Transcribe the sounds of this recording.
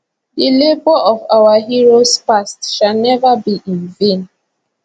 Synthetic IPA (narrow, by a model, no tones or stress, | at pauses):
dilebɔɔvawaɦiɹospastʃanɛvabiʔĩnvẽn